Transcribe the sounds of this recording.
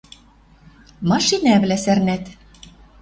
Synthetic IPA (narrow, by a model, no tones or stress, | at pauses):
mɑʃinæβlæsærnæt̪